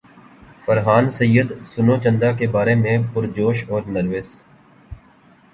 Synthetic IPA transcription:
fəɾɦaːnsəjːəd̪sʊnoːt͡ʃə̃nd̪akebaːɾemẽpʊɾd͡ʒoːʃɔːɾnəɾʋɪs

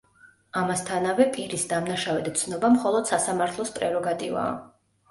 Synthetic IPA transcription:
amast̪ʰanavɛpʼiɾisd̪amnaʃavɛd̪t̪sʰnɔbamχɔlˠɔd̪̥sasamaɾt̪ʰlˠɔspʼɾɛɾɔɡat̪ʼiva̰ː

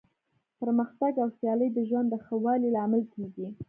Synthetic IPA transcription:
pəɾməxt̪aɡawsjɑləjd̪əʒwand̪ːəxəwɑlilɑmɪlkeɡi

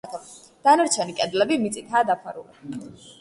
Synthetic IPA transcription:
d̪̥anaɾt͡ʃʰɛnikʼɛd̪lɛbimit̪sʼit̪ʰaːd̪apʰaɾṵla̰

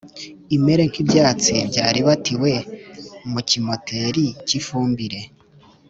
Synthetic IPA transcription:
ime̞ɾe̞ŋkibɟaːt͡sibɟaːɾiβatiwe̞ | mucimo̞tʰe̞ɾicifuːmbiɾe̞

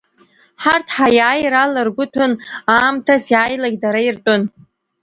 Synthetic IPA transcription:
ħartʰħajaːjɾalarɡʷʊtʰʊnaːmtʰasjaːjlaɡʲdaɾairtʼʊn

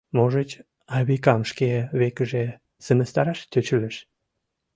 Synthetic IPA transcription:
moʒət͡ɕ | ɑβikɑmʃkeβekəʒe | sə̆mə̆st̪ɑɾɑʃt̪ʲøt͡ɕələʃ

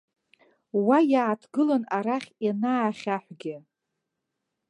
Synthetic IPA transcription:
wajaːtʰɡɨlanaɾaχʲjanaːχʲaħʷɡʲɪ

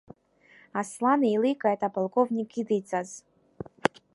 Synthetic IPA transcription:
aslˠanɨilɨkʼaɛt̪ʼapalˠkʼovnʲikid̪ɨt͡sʼaz

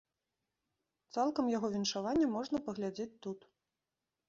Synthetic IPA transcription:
t̪salˠkɐmjaɣɔvʲinʂavanʲːɐmɔʐn̪ɐpɐɣlʲad͡zʲet͡sʲt̪ut̪

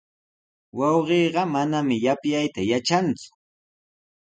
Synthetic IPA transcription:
wɑwɢeːɢɑmanamɪjapjajt̪ajat͡ʃant͡sʊ̥

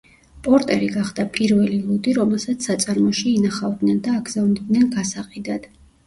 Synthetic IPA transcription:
pʼɔɾt̪ʼɛɾiɡaχd̪̥apʼiɾvɛlilˠud̪iɾɔmɛlˠsat̪sʰsːat̪sʼaɾmɔʃiːnaχavd̪nɛnd̪aːɡzavnɛd̪nɛnɡasaqʼid̪ad̪̥

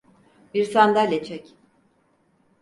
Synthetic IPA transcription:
biɾsand̪alʲet͡ʃʰɛc

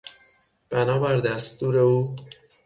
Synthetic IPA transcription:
b̥ænɒːbæɾd̪æst̪uːɾe̞uː

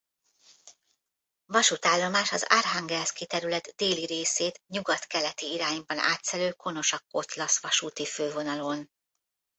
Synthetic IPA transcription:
vɒʃut̪aːlːo̞maːʃɒza̰rɦaŋɡɛlskit̪ɛɾylɛt̪d̪eːliɾeːseːt̪ɲuɡɒt̪kɛlɛt̪iiɾaːɲbɒna̰ːt̪sɛløːko̞no̞ʃɒkːo̞t̪lɒsʋɒʃuːt̪iføːvo̞nɒlo̞n

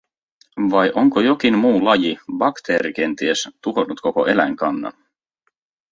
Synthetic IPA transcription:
ʋɑjʔoŋkojo̞k̟inmuːlɑjibɑkt̪eːɾik̟e̞nt̪iest̪uɦonut̪ko̞ko̰ʔe̞læŋkɑnːɑ̰n

